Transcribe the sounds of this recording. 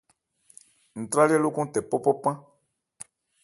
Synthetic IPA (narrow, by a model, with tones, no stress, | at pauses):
n̩˨t̪ɾa˦li˦ɛ˦lo˦kɔ̃˦tɛ˨pɔ˦pɔ˦pã˦